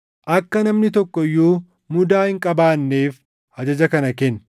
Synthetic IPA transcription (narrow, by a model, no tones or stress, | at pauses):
ʔɐkːɐnɐmnɪt̪ɔkːɔjːuː | mʊd̪aːhɪŋkʼɐbaːnːeːf | hɐd͡ʒɐd͡ʒɐkɐnɐkɛnː